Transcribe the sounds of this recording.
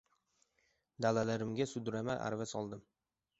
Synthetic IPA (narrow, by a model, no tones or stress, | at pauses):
d̪alalaɾɪmɡʲasʊd̪ɾamaʔa̰ɾvasɒlˠd̪ɪm